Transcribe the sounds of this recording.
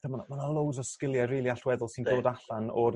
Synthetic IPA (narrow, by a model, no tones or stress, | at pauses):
tʰəmanmanalˠowzɔskɪlˠjɛriːlˠiaɬwɛðʊlˠsɪntʰoːdaɬanɔr